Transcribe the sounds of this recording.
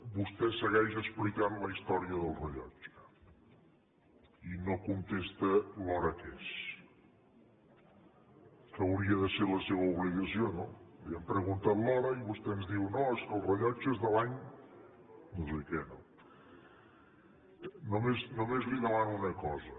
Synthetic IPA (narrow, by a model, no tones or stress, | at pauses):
bust̪ɛsəɣɛʃəsplikanləist̪ɔɾiəðəlˠrəʎɔ̰t͡ʃ | inokunt̪est̪əlɔɾəkes | kəwɾiəðəseləseβəuβliɣəsionoliəmpɾəɣunt̪at̪lɔɾəiβust̪ɛənzðiwnoeskəlˠrəʎɔt͡ʃezðəlaɲ | nosekɛno̰ | nomeznomezβiðəlanunəkɔzə